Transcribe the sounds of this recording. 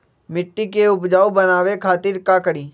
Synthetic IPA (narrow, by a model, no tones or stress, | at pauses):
mɪʈːikeʊpd͡ʒaːubənaːwekʰaːt̪ɪːɾkaːkəɽiː